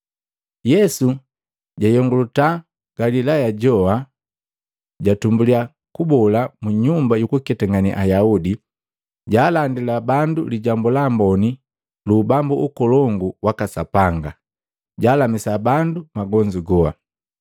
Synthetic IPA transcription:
jɛsu | ɟajɔŋɡuluta | ɡ̥alilajaɟɔa | ɟatumbulia | kubɔlamuɲumbajukukɛtaŋɡaniʔajaudi | ɟaːlandilabanduliɟambulambɔni | lubambuʔukɔlɔŋɡuwakasapaŋɡa̰ | ɟaːlamisabandumaɡɔɲd͡ʒiɡɔa̰

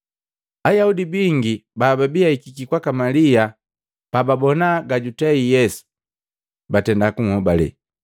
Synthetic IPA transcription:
ajaudibiŋɡibaːbabiaikikikwakamalia | pababɔnaɡaɟutɛijɛsu̥ | batɛndakuŋhɔbalɛ̰

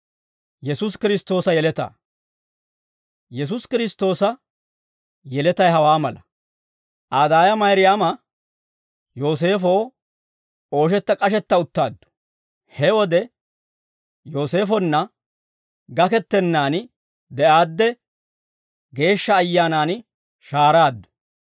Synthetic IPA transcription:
jɛsʊskɪɾɪst̪o̞ːsɐjɛlɛt̪ɐ̰ː | jɛs̬ʊskɪɾɪst̪o̞ːsɐ | jɛlɛt̪ɐjɦɐwaːmɐlɐ | ʔaːd̪aːjɐmɐjɾɪjaːmɐ | jo̞ːs̬e̞ːfoː | o̞ːʃ̬ɛt̪ːɐkʼɐʃ̬ɛt̪ːɐʊt̪ːaːd̪ːʊ̥ | hɛwɔd̪ɛ | jo̞ːse̞ːfɔnːɐ | ɡɐkɛt̪ːɛnːaːn | d̪ɛʔaːd̪ːɛ | ɡe̞ːʃːɐːjːaːnaːn | ʃaːɾaːd̪ːʊ̥

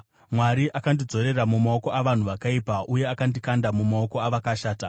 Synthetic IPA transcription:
mwaɾiʔakandid͡zo̞ɾe̞ramumaoko̞ʔaʋan̤uʋakaipaʔuje̞akandikandamumaoko̞aʋakaʃaːta

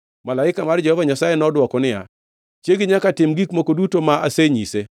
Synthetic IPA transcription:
malaɪkamard͡ʒɛhɔvaɲasajenɔdwɔkɔnɪja̰ | t͡ʃjeɡɪɲakatɪmɡikmokodutomaʔaseɲise

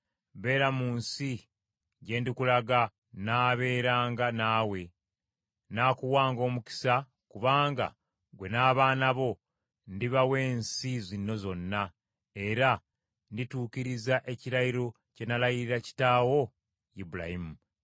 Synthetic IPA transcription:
βe̞ːɾamuːnsi | ɟe̞ːndikulaɡa | naːβe̞ːɾaːŋɡanaːwe̞ | naːkuwaːŋɡo̞ːmuki̥sa | kuβaːŋɡa̰ | ɡwe̞naːβaːnaβo̞ | ndiβawe̞ːnsizinːo̞zo̞nːa | e̞ɾa | ndituːciɾizaʔe̞ciɾajiɾo̞ | ce̞nalajiɾiɾaci̥taːwo̞ | jibula̰himu

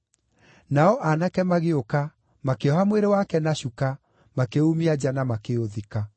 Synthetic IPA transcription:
naɔʔanakɛmaɣeoka | makeɔhamweɾewakɛnaɕuka | makeumiad͡ʑanamakeoðika

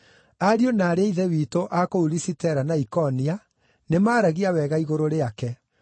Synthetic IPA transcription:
aɾionaːɾeiðɛwitoʔakouɾisitɛɾanaikɔnia | nemaːɾaɣiawɛɣaiɣoɾoɾeakɛ

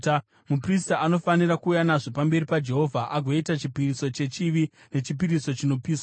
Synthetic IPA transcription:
mupristaano̞fanirakuːjanaʐopambe̞ɾipad͡ʒe̞ɦo̞vʱaʔaɡʱoitat͡ʃipiriso̞t͡ʃe̞t͡ʃiʋi | ne̞t͡ʃipiriso̞t͡ʃino̞piːsa

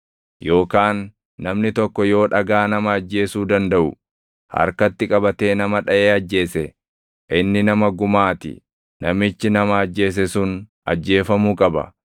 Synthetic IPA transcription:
jo̞ːkaːnː | ɐmnɪt̪ɔkːɔjo̞ːᶑɐɡaːnɐmɐːd͡ʒːe̞ːsuːd̪ɐnd̪ɐʔʊ̰ | hɐ̰ɾkɐt̪ːɪkʼɐbɐt̪e̞ːnɐmɐᶑɐʔeːɐd͡ʒːe̞ːsɛ | ʔɪnːɪnɐmɐɡʊmaːt̪ɪ̰ | nɐmɪt͡ʃːɪnɐmɐːd͡ʒːe̞ːs̬ɛsʊn | ɐ̰d͡ʒːe̞ːfɐmuːkʼɐbɐ̰

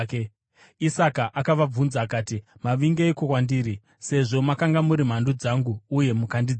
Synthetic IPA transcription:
ke | isakaʔakaʋab͡vunzaːkaːtimaʋiŋɡeːkokwandiːɾi | se̞ʐo̞makaŋɡamuɾim̤andud͡zaŋɡuːje̞mukandid͡z

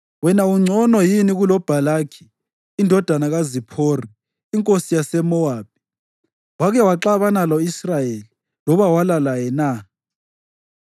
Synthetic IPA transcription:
wɛnauŋ͡ǀʱɔnɔjiniɣulɔb̥ʱalakʰi̥ː | ndʱɔd̥ʱanaɣazipʰoriː | ŋkʼosijasɛmɔwaːp̚i̥ | waɣɛwaǁaβanalɔisrajeli | lɔβawalalajɛna

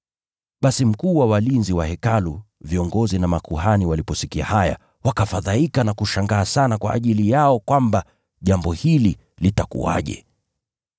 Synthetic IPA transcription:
ɓasim̩kuːwawalinziwahɛkalu | viɔŋɡɔzinamakuhaniwalipɔsikia̰haja̰ | wakafaðaikanakuʃaŋɡaːsanakwa̰ʔːʄilijaɔkwamba | ʄambɔhili | litakṵa̰ʄɛ̰

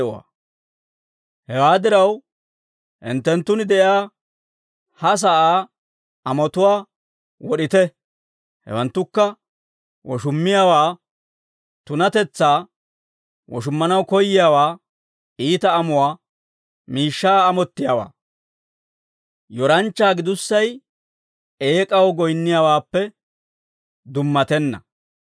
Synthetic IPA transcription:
wa̰ | hɛwaːd̪ɪɾɐw | ʔɪ̰nt̪ːɛnt̪ːʊnd̪ɛʔjaː | hɐs̬aʔaː | ɐmɔt̪ʊwaː | wɔɗɪt̪ɛ | hɛ̰wɐnt̪ːʊkːɐ | wɔʃʊmːɪjaːwaː | t̪ʊnɐt̪ɛt͡sːaː | wɔʃ̬ʊmːɐnɐwkɔjːɪjaːwaː | iːt̪ɐːmʊwaː | miːʃːaːmɔt̪ːɪjaːwa̰ː | jɔɾɐnt͡ʃːaːɡɪd̪ʊsːɐj | eːkʼɐwɔɡɔjnːɪjawaːpːɛ | d̪ʊmːɐt̪ɛnːɐ̰

